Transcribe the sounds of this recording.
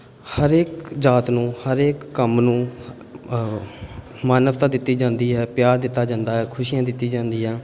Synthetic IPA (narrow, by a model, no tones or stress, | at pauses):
həɾeːkd͡ʒaːt̪nũːhəɾeːkːəmnũː | maːnəʋt̪ãːd̪ɪt̪ːiːd͡ʒãːnd̪iːɦɛːpjaːɾd̪ɪt̪ːaːd͡ʒãːnd̪aːɦɛːkʰʊʃiːjãːd̪ɪt̪ːiːd͡ʒãːnd̪iːɦɛː